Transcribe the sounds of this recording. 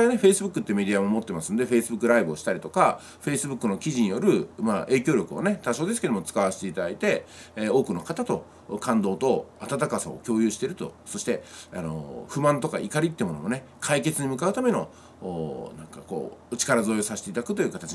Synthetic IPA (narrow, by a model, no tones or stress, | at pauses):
ane̞ɸe̞isɨbɯ̟kːɯ̟t̪ːe̟me̞d̪ʲiamomo̞t̪ːe̞masɨnod̪e̞ɸe̞isɨbɯ̟kːɯ̟ɾaibɯo̞ɕi̥t̪aɾit̪o̞ka | ɸe̞isɨbɯ̟kːɯ̟no̞kʲiʑiɲijo̞ɾɯ̟maʔe̞ːkʲo̞ːɾʲo̞kɯ̟one̞t̪aɕo̞ːd̪esɨ̥ke̞d̪omot͡sɨ̥kaβaɕi̥t̪e̞it̪ad̪ait̪e̞o̞ːkɯ̟no̞kat̪at̪o̞ | kʰãnd̪o̞ːt̪o̞at̪at̪akasa̰o̰kʲo̞ːjɯ̟ːɕi̥t̪e̞ɾɯ̟t̪o̞̰so̞ɕi̥t̪e̞a̰no̞̰ɸɯ̟mãnt̪o̞ka̰ikaɾʲit̪ːeɯ̟mo̞no̞mo̞ne̞ | kʰaike̞t͡sɨɲ̟imɯ̟kaɯ̟t̪ame̞no̞ː | nãŋkako̞̰ːot͡ɕi̥kaɾazo̞ːjosaɕe̥t̪e̞it̪ad̪akɯ̟̥t̪o̞jiɯ̟kat̪at͡ɕi